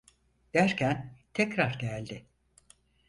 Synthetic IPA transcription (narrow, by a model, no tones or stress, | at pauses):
d̪̥æɾcʰænt̪ʰɛcɾaɾɟælʲd̪ɪ